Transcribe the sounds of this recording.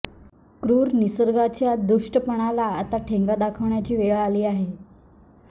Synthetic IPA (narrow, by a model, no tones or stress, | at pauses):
kɾuːɾnisəɾɡat͡ɕjad̪uʂʈəpəɳ̃alaːt̪aʈʰeŋɡad̪akʰəʋɳjat͡ɕiːʋeɭaliːaɦe